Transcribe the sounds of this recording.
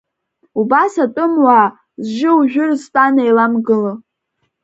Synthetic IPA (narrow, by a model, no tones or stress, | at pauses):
ubasatʼʊmwaː | zʒɪuʒᶣʊrztʼanajlamɡɨlɨ